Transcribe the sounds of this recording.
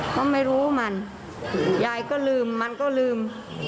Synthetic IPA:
k̪ɔː˥˩ma˥˩jɾuː˦˥ma˧n | jaː˧˩jkɔː˥˩lɯː˧mːa˧nkɔː˥˩lɯː˧˩m

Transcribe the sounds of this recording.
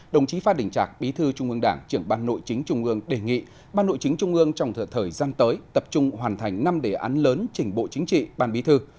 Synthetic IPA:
ɗə˨˩wŋ͡mt͡ɕi˨˦faː˧ɗï˨˩ŋ̟t͡ɕaː˨˩k̚ɓi˨˦t̪ʰɨ˧t͡ɕʊ˧ŋ͡mʔɨ˧əŋɗaː˧˩ŋt͡ɕɨ˧˩əŋɓaː˧nːo̰˧˨jt͡ɕï˨˦ŋ̟t͡ɕʊ˧ŋ͡mʔɨ˧əŋɗe˨˩ŋḭ˧˨ | ɓaː˧nːo̰˧˨jt͡ɕï˨˦ŋ̟t͡ɕʊ˧ŋ͡mʔɨ˧əŋt͡ɕɔ˧wŋ͡mt̪ʰəː˨˩t̪ʰəː˨˩jzaː˧nt̪əː˨˦jt̪ə˨˩p̚t͡ɕʊ˧ŋ͡mɦwaː˨˩nt̪ʰa˨˩jŋ̟na˧mɗe˧˩ʔaː˨˦nləː˨˦nt͡ɕï˧˩ŋ̟ɓo̰˧˨t͡ɕï˨˦ŋ̟t͡ɕḭ˧˨ɓaː˧nɓi˨˦t̪ʰɨ˧

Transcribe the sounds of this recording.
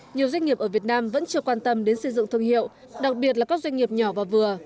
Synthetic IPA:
ɲi˨˩əwzwa˧ŋ̟i˨˩əp̚ʔəː˧˩vi˨˩ət̚naː˧mvə̰˧˥nt͡ɕɨ˧˩əkwaː˧nt̪ə˧mɗe˨˦nsɨ˧jzɨ̰˧˨ŋt̪ʰɨ˧˩əŋhḭ˧˨əw | ɗa˨˩k̚ɓi˨˩ət̬̚la˨˩kaː˦˥k̚zwa˧ŋ̟ŋi˨˩əp̚ɲɔ˨˧˩vaː˨˩vɨ˨˩ə

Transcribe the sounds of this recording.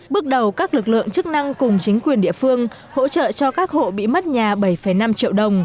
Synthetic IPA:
ɓɨ˦˥ək̚ɗə˨˩wkaː˦˥k̚lɨ˨˩k̚lɨ̰˧˨əŋt͡ɕɨ˦˥k̚na˧ŋkʊ˨˩ŋ͡mt͡ɕï˨˦ŋ̟kwi˨˩ənɗḭ˧˨əfɨ˧əŋ | ho̰˧˥t͡ɕə̰ː˧˨t͡ɕɔ˧kaː˦˥k̚ho̰˧˨ɓḭ˧˨mə˦˥t̚ɲaː˨˩ɓə˧˩jfə˧˩jna˧mt͡ɕḭ˧˨əwɗə˨˩wŋ͡m

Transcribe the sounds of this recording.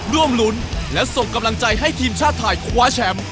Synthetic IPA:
ɾu˥˩əmlu˦˥nlɛ˦˥so˨˩ŋka˧mla˧ŋt͡ɕa˧jɦa˥˩jt̪ʰiː˧mt͡ɕʰaː˥˩t̪ʰːaː˧jkʰwaː˦˥t͡ɕʰɛ˦˥m

